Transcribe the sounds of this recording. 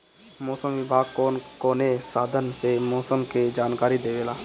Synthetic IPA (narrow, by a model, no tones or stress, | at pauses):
mɔːsəmʋɪbʱaːɡkokoːnesaːd̪ʱənsemɔːsəmked͡ʒaːnkaːɾid̪eːʋeːlaː